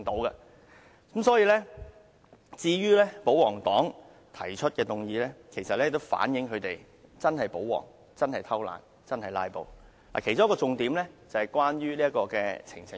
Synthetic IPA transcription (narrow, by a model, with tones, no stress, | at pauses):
ŋt̪o˨˥wɡɐ˧ | kmsɔː˨˥jiː˧lɛː˥ | t͡siː˧ɥyː˥lɛː˥po˨˥wɔː˨˩ŋt̪ɔː˨˥ŋ | t̪ʰɐ˨˩jt͡ʃʰɵ˥t̚kɛː˧t̪ʊ˨ŋjiː˨˧lɛː˥kʰe˨˩jsɐ˨t̚lɛ˥˨t̪o˥wfa̰ː˨˥njɪ˨˥ŋkʰɵ˨˧ɥt̪e˨j | t͡sɐ˥nɦɐ˨jpo˨˥wɔ̰ː˨˩ŋ | t͡sɐ˥nhɐ˨jt̪ʰɐ˥wla̰ː˨˩n | t͡sɐ˥nhɐ˨jla̰ː˧jpo̰˨w | la̰ː˨˩kʰe˨˩jt͡sʊ˥kɔː˧t͡sʊ˨˧ŋt̪iː˨˥mlɛː˥t͡sɐ˨˧hɐ˨jkʷwaː˥nɥyː˥li˥ɐ˥kɔː˧kɛ̰ː˧t͡sʰɪ̰˨˩ŋt͡sʰɪ˨˥